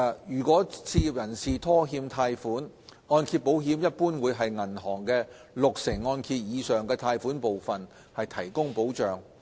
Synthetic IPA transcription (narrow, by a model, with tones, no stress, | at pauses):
jyː˨˩kʷɔː˨˥t͡sʰiː˧i˨p̚jɐ˨˩nsiː˨t̪ʰɔː˥ɦiː˧mt̪ʰaː˧jfuː˨˥n | ŋɔː˧nkʰiː˧t̚po˨˥wɦiː˨˥mjɐ˥t̚puː˥nwuː˨˧jɦɐ˨jŋɐ˨˩nɦɔː˨˩ŋkɛː˧ | lʊ˨k̚sɪ˨˩ŋːɔː˧nkʰiː˧t̚jiː˨˧sœː˨ŋkɛː˧t̪ʰaː˧jfuː˨˥npo˨wfɐ˨n | hɐ˨jt̪ʰɐ˨˩jkʊ˥ŋpo˨˥wt͡ʃœː˨ŋ